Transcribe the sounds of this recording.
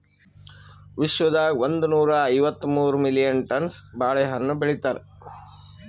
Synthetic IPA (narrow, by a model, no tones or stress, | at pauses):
ʋiʃʋɐd̪aːiʋond̪unuːɾɐːjʋɐt̪ːmuːɾumilijɐnʈɐnsbaːɭɛɦɐnːubeɭit̪aːɾe